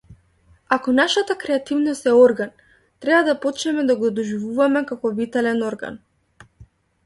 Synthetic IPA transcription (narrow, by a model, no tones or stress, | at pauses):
akɔnaʃat̪akɾɛat̪ivnɔst̪ɛɔɾɡan | t̪ɾɛbad̪apɔt͡ʃnɛmɛd̪aɡɔd̪ɔʒivuvamɛkakɔvit̪ɛlɛnɔɾɡa̰n